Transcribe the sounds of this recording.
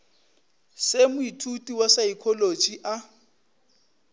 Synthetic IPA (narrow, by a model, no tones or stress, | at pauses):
semʊitʰutʼiwasaikʰolot͡ʃʼiʔa